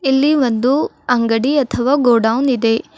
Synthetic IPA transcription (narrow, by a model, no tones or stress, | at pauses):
ilːiʋond̪u | ɐŋɡɐɽiɐt̪ʰɐʋaːɡoːɖɐwnid̪e̞